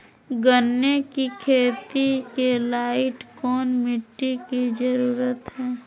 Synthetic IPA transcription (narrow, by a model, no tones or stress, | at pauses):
ɡənːekikʰeːt̪ikelaːɪʈkɔːnmɪʈːikid͡ʒəɾuːɾət̪ɦɛː